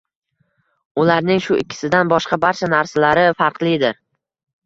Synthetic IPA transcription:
ʊlaɾnɪŋʃʊʔɪkʲʰːɪ̥sɪd̪anbɒʃqɑbaɾt͡ʃʰanaɾsalaɾɪfaɾqlˠɪd̪ɪɾ

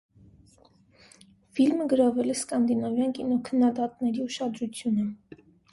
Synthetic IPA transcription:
filməɡəɾɑvɛlɛskɑnd̪inɑvjɑnkinɔkʰənːɑd̪ɑt̪nɛɾiuʃɑd̪ɾut͡sʰjunə

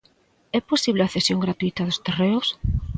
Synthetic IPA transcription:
ɛposiβleaθesjoŋɡɾat̪uit̪ɐðost̪ereʊs

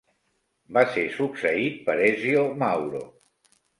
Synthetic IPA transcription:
basesuksəit̪̚pəɾɛziomawɾo̰

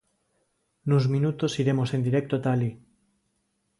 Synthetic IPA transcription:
nuzmĩnut̪osiɾe̞mosẽ̞nd̪iɾek̚t̪ot̪ali

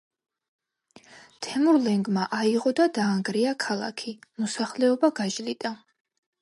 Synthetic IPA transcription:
t̪ʰɛmuɾlɛŋɡmaʔaiʁɔd̪ad̪aːŋɡɾiakʰalˠa̰kʰimɔsaχlɛɔbaɡaʒlit̪ʼa

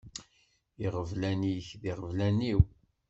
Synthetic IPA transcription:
iʁəvlæniçðiʁəvlæniw

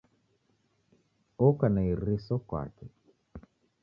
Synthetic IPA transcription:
ɔkanaiɾisɔkwa̰kɛ

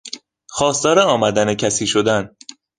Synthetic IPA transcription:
xɒːst̪ɒːɾeɒːmæd̪ænecʰæsiːʃo̞d̪æn

